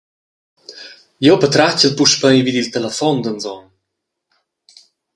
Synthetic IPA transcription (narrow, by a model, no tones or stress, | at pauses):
jowpət̪ɾat͡ɕəlpuʃpəjvid̪ilt̪ɛləfɔnd̪ənzɔn